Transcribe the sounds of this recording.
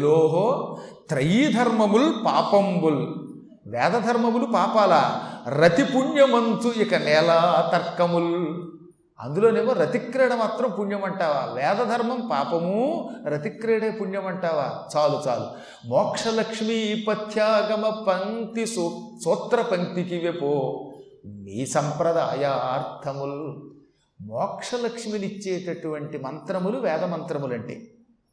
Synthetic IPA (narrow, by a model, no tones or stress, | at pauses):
loːɦoːt̪ɾɐjiːd̪ʱɐɾmɐmulpaːpɐmbul | ʋɛːd̪ɐd̪ʱɐɾmɐmulupaːpaːlaːɾɐt̪ipuɳjɐmɐnt̪uikɐnɛːlaːt̪ɐɾkːɐmul | ɐ̰nd̪uloːneːmɐɾɐt̪ikɾɛːɽɐmaːt̪ɾɐmpuɳjɐmɐɳʈaːʋa̰ːʋɛːd̪ɐd̪ʱɐɾmɐmpaːpɐmuɾɐt̪ikɾɛːɽeːpuɳjɐmɐɳʈaːʋaːt͡ʃaːlut͡ʃa̰ːlṵ | mɔːkʂɐlɐkʂmiːpɐt̪ʰjaːɡɐmɐpɐnt̪issuːt̪ɾɐpɐnt̪ikiʋepoː | miːsɐmpɾɐd̪aːjaːaːɾt̪ʰɐmulu | mɔːkʂɐlɐkʂmilit͡ʃːeːʈɐʈuʋɐɳʈimɐnt̪ɾɐmuluʋɛːd̪ɐmɐnt̪ɾɐmulɐɳʈḛː